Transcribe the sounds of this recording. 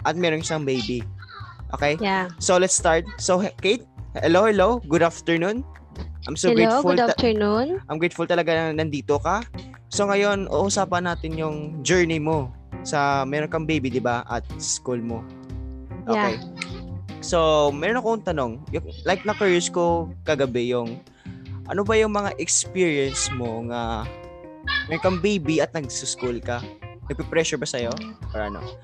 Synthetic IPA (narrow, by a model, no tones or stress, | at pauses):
ʔɐt̪̚mɛːɾonʃaŋbejbiʔo̞̰ːkɛjjasolɛt̪st̪aɹt̪̚sokejt̪̚hɛlowhɛlowɡʊd̪aft̪ɛɹnun | ʔajmsoɡɹefʊlatnunʔʔajmɡɹejt̪̚fʊlt̪ɐlɐɡaɐnɐnd̪iːt̪oka | so̞ŋɐjo̞nʔṵʔʔʊsaːpɐnaːt̪ɪnjʊŋd͡ʒɛɹnɪmo̞ | sɐmɛɾonkɐŋbejbid̪ɪbaʔɐ̰t̪̚sɐ̥skulmo | ʔokej | so̞mɛːɾnɐkoŋt̪ɐno̞ŋjʊŋlajk̚nɐkɛɹjʊsko̞kɐɡɐbɛjʊŋ | ʔɐ̰no̞bɐjʊŋmɐŋaʔɛkspiɹiɐnsmoŋa | mɛɾonkɐŋbejbiɐt̪̚nɐɡsʊskulkɐnɐɡ̚pɛpɾɛʃʊɹbɐsɐjo̞paɾɐ̰ʔɐno̰